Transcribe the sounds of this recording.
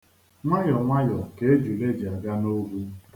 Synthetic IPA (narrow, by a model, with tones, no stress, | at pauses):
ŋʷa˦jɔ˨ŋʷa˦jɔ˨ke˦e˦d͡ʒu˨le˦d͡ʒi˨a˨ɡa˦no˦ɡʷu˦